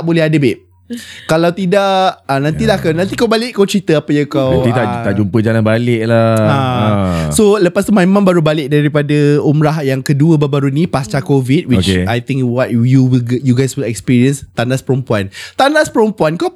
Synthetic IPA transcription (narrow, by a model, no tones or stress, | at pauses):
ʔbolɛhadəbɪʔ̚ | kalawt̪idaʔʔanãnt̪ilahkanãnt̪ikawbalɪʔkawt͡ʃɾit̪əapəjəkawãt̪itt̪aaʔd͡ʒumpəd͡ʒalanbalɪʔ̚laa | soləpast̪umaemãmbaɾubalɪʔ̚daɾipadəumɾaɦjaŋkəduəbabaɾunĩpast͡ʃakovid̚wiot͡ʃkajt̪ɪ̃ŋkwɔt̚juwilɡjuɡajswilɛkspiɾiənst̪andaspəɾumpuant̪andaspəɾəmpuankaw